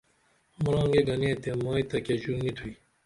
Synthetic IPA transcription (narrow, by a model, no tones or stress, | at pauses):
muɾɑ̃ːŋɡeːɡɐnẽːt̪emaːit̪ɐkeʑuɾnit̪ʰui